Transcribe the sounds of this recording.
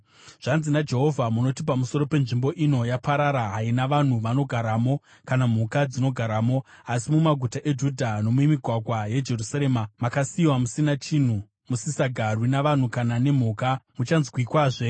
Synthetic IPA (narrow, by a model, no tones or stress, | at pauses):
ʐ̥anzinad͡ʒe̞ɦo̞vʱamuno̞tipamuso̞ɾo̞pe̞nʐimbo̞ʔino̞japaɾaɾaɦainaʋan̤uʋano̞ɡʱaɾaːmo̞ | kanam̤ukad͡zino̞ɡʱaɾaːmo̞asimumaɡʱutaʔe̞d͡ʒudʱano̞mwemiɡʱwaɡʱwaje̞d͡ʒe̞rusaɾe̞ːmamakasiːwamusinat͡ʃin̤u | musisaɡʱarwinaʋan̤ukanane̞m̤uːkamut͡ʃanzkwikwaːʐe